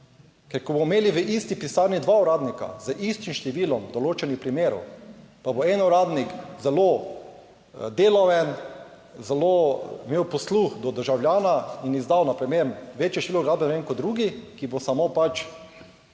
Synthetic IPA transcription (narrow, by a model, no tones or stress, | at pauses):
kɛɾkɔbommeːliʋəʔist̪ipisaːɾnid̪ʋauɾaːd̪nika̰zəʔist̪imʃt̪ɛʋiːlɔmd̪ɔloːt͡ʃɛnixpɾimeːɾɔ̰wpaboɛnuɾaːd̪nikzɛlo | d̪eːlɔʋɛn | zɛlomeːwpɔsluxd̪ɔd̪əɾʒawljaːnainizd̪awnapɾɛmjemʋet͡ʃjɛʃt̪iloɡɾaːbɛnɛʋeŋkoɔd̪̚d̪ɾuːɡikibosamopat͡ʃ